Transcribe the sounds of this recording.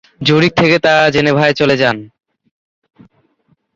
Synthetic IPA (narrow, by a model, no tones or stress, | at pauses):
d͡ʑoɽik̚t̪ʰeket̪ad͡ʑenebʱaet͡ɕoled͡ʑan